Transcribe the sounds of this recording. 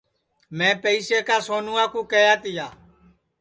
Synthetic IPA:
mẽːpəiːseːkaːsoːnũːaːkũːkəjaːt̪ɪjaː

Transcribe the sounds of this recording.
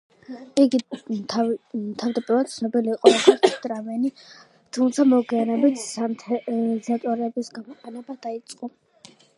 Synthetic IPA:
iɡit̪ʰat̪ʰavd̪apʼiɾvad̪̥̚t̪sʰnɔbiliːqʼɔɛt̪ʰaɾtʰd̪ʼɾamɛni | t̪ʰumt̪sʰamɔɡianɛbit̪ʰat̪ʰzat̪ʼɔɾɛɛbisɡamɔqʼɛnɛbad̪ait̪sʼqʼɔ

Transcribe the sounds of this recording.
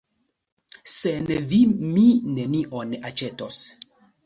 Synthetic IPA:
senvimine̞niʔonat͡ʃetos

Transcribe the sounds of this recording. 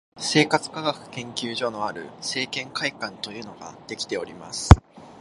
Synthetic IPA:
se̞ːkat͡sɨ̥kaɡakɯ̟̥kẽ̞ŋkʲɨːʑo̞no̞aɾɯ̟̰se̞ːkẽ̞ŋkaikãnt̪o̞jɯ̟ːno̞ɡa̰d̪̥e̞kʲi̥t̪e̞o̞ɾʲima̰sɨ̥

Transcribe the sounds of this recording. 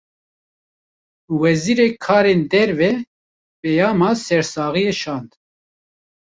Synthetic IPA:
wɛziːɾeːkʰɑːɾeːnd̪ɛɾvɛ | pɛjɑːmɑːsɛɾsɑːɣijeʃɑːnd̪

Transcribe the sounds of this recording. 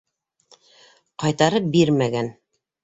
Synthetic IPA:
qɑjt̪ɑɾɤp̚biɾmæɡæn

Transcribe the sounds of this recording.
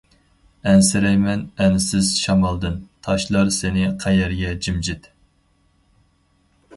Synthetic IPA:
ɛnsɪɾɛjmɛnɛnsɪz̥ʃɑmɑlˠd̪ɨnt̪ʰɑʃlˠɑɾsɪnɪqʰɛjɛɾɡʲɛd͡ʒimd͡ʒɪt̪

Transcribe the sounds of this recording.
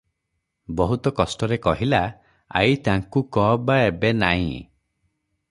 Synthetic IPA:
bɔɦut̪ɔkɔsʈɔɾekɔɦila | a̰it̪aŋkukɔbaebenaḭ̃

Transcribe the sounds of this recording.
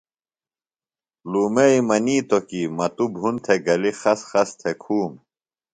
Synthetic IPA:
luːmeimɐniːt̪okimɐt̪ubʱunt̪ʰeɡɐlixɐsxɐst̪ʰekʰuːm

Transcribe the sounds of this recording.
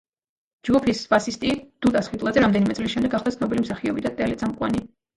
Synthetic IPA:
d͡ʒɡupʰisbasist̪ʼid̪̥ut̪ʼasχwit̪ʼlˠad̪zɛɾamd̪ɛnimɛt̪sʼliʃɛmd̪ɛɡaχlˠd̪asʰnɔbilimsaχiɔbid̪at̪ʼɛlɛt̪sʼamqʼwa̰ni

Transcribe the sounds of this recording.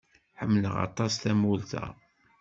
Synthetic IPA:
ħəmːləʁɑ̰t̪ˤɑsθæmult̪æ̰

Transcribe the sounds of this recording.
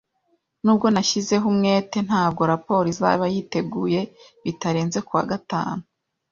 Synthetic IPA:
nuːb̚ɡo̞naʃize̞ɦumŋe̞ːte̞n̥haːb̚ɡo̞ɾapo̞ːɾiza̰βajite̞ɡuːje̞ | βitaɾeːnze̞kuwa̰ɡata̰ːnu

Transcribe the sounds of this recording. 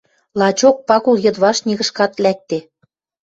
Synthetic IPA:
lˠɑt͡ɕok̚pɑkulˠjɤ̆d̪βɑʃnʲiɣɤ̆ʃkɑt̪lʲæk̚t̪e

